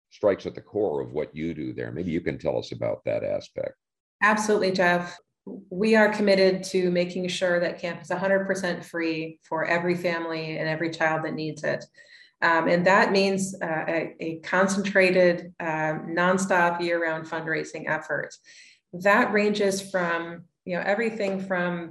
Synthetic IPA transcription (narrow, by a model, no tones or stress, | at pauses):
stɹ̥aɪksɨt̪̚ðɨkʰɔɹʌ̰vwʌ̰t͡ʃɨdɨðə̰˞meɪbijɨkɨ̃ntʰɛ̰lˠʌ̰sɨba̰ʊt̪̚ðɨ̰ɾæ̰spɛ̰k̚t̚ | æb̥səlutʔˡlid͡ʒɛf | wiə˞kʰəmɪɾɪd̚tʰɨmeɪkɪ̃ŋʃʊɹðɨt̚kʰæ̃mpəzəɦʌ̃ndɹəd̚pʰə˞sɛ̃ntfɹifə˞ʔɛvɹifæ̃mliɨ̃nɛvɹit͡ʃʰaɪlˠd̪̚ðɨtⁿnidzɪ̰t | ʔɨ̃nðət̚mĩnzɨɨkʰɑ̃nsn̩tʰɹ̥eɪɾɪd | nɑ̃nstɑpjɪɹə˞ãʊ̃nd̥fʌ̃ndɹeɪsɪ̃ŋʔɛ̰fə̰˞t | ðɨʔ̚ɹẽɪ̃nd͡ʒɪz̥fɹʌ̃mjɨnoʊʔɛvɹiθɪ̃ŋfɹʌ̃m